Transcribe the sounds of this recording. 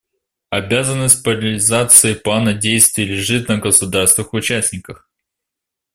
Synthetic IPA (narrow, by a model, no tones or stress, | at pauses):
ɐbʲazənːəsʲt̚ʲpəɾəlʲɪzat̪sɨɪplˠanədʲejst̪vʲɪːlʲɪʐɨt̪nəɡəsʊd̪arst̪vɨxʊt͡ɕæsʲnʲɪkəx